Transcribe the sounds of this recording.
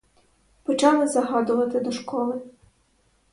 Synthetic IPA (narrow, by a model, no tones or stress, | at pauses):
pɔt͡ʃɑlˠɪzɐɦɑd̪ʊʋɐt̪ɪd̪ɔʃkɔlˠɪ